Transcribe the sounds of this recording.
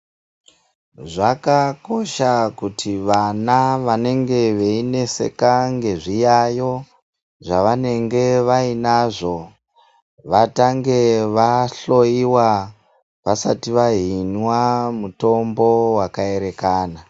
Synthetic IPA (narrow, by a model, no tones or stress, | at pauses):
ʐakako̞ʃakutʰiʋanaʋane̞ŋɡe̞ʋe̞ine̞se̞̰kaŋɡe̞ʐijajo̞ | ʐaʋane̞ŋɡe̞ʋainaʐo̞ | ʋataŋɡe̞ʋaɬo̞iwa | ʋasa̰tiʋaɦinwamuto̞mbo̞wakae̞ɾe̞kaːna